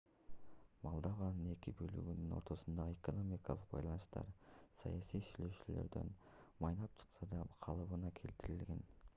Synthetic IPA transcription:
mɑlˠd̪ɑvɑnəne̞kʲɪbɵly̰ɡʲinɪno̞̰ɾt̪o̞sənd̪ɑʁəe̞ko̞no̞mijkɑlˠəq̚bɑ̰jlˠɑnəʃt̪ɑ̰ɾsɑ̰jɑsijsyjleʃyle̞̰ɾd̪e̞̰n | mɑjnɑp̚t͡ʃʰə̥qsɑd̪ɑqʰɑlˠɯβənɑkʲʰe̞̰lt̪ɪɾɪlɡʲe̞n

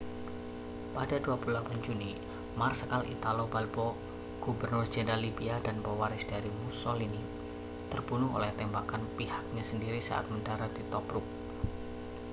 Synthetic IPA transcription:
padaduapululapand͡ʒuni | marsəkalḭt̪alobalbɔ | ɡ̥ubərnʊrd͡ʒɛndalibiadanpɔwaɾɪsd̥aɾimusolini | t̪ərbunʊɦo̰lɛht̪ɛmbakanpihak̚ɲasəndiɾisa̰ʔa̰t̪̚məndaɾat̪̚dit̪ɔpɾʊk̚

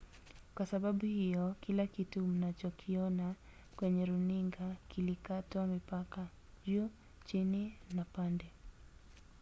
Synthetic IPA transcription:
kwasaɓaɓuhijɔkilakitum̩nat͡ʃɔkʰiɔna | kwɛɲɛɾuniŋɡakilikatamipaka | ʄu | t͡ʃininapandɛ

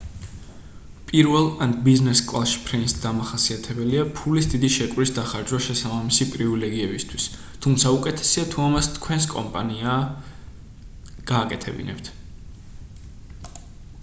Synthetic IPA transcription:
pʼiɾvɛlˠanbiznɛskʼlˠaʃi̥pʰɾɛnsd̪amaχasiat̪ʰɛbɛliapʰulisd̪id̪iʃɛkʼwɾisd̪aχaɾd͡ʒwaʃɛsabamisipʼɾivilɛɡiɛbist̪ʰwis | t̪ʰumt̪sʰaukʼɛt̪ʰɛ̥siat̪ʰuamast̪ʰkʰwɛns̬kʼɔ̰mpʼa̰nia | ɡ̥aːkʼɛt̪ʰɛbḭnɛ̰pt̪ʰ

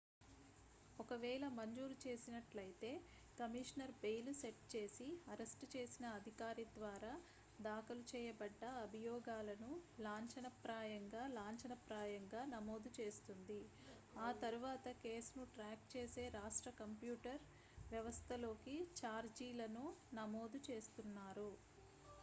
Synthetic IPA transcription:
ɔkɐʋɛːɭɐmɐɲd͡ʒuːɾut͡ʃe̞ːsinɐʈlɐjt̪e̞ː | kɐmiʂɐnɐɾbejluseʈ̚t͡ʃe̞ːsiɐɾesʈt͡ʃeːsinɐːd̪ʱikaːɾid̪ʋaːɾaː | d̪aːkɐlut͡ʃɛːjɐbɐɖːɐːbʱijɔːɡaːlɐnulaːɲt͡ʃɐnɐpɾaːjɐŋɡaːlaːɲt͡ʃɐnɐpɾaːjɐŋɡaːnɐmo̞ːd̪ut͡ʃe̞ːst̪und̪i | aːt̪ɐɾuʋaːt̪ɐkeːsunuʈɾaːk̚t͡ʃe̞ːse̞ːɾaːʂʈɾɐkɐmpjuːʈɐɾ | ʋjɐʋɐst̪ʰɐlo̞ːkit͡ʃaːɾd͡ʒiːlɐnunɐmo̞ːd̪ut͡ʃe̞ːst̪unːaːɾu

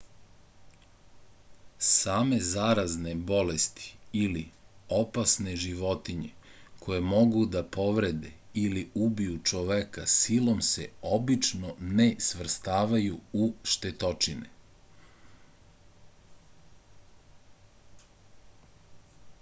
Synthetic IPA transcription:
saːme̞zaːɾazne̞bo̞lest̪i̥iliopasne̞ʒiʋo̞t̪iɲe̞kʰo̞je̞mo̞ɡud̪apo̞ʋɾe̞d̪ḛiliubijut͡ʃoʋekasilo̞msḛo̞bit͡ʃnonesʋr̩st̪aːʋajuuʃt̪et̪o̞t͡ʃinḛ

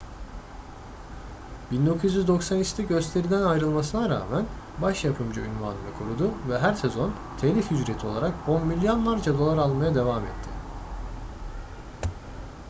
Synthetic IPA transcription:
b̥ind̪o̞kʰuzjyzd̪o̞ksanit͡ʃt̪ʰɛɟø̞st̪ʰʲe̞ɾid̪ænajɾɯlˠmasɯnaɾa̰ːmæn | baʃjapʰɯmd͡ʒɯynvaːnɯnɯkʰoɾud̪uvɛɦæɾsezo̞n | t̪ʰeːlʲifhyd͡ʒɾe̞t̪ʰio̞lˠaɾak̚o̞nmilʲːjo̞nlˠaɾd͡ʒad̪olˠaɾalˠmajad̪e̞vamɛ̰t̪ʰːɪ

